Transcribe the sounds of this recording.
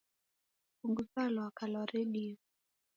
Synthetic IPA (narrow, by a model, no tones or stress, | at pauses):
uŋɡusalwakalɔɾeɗi